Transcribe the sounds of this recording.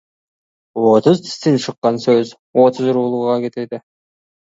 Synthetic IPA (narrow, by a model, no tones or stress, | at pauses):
ot̪ʊzt̪i̥st̪inʃɯqːɑnsøz | ot̪ʰʊzuɾuːlˠuʁɑket̪ed̪e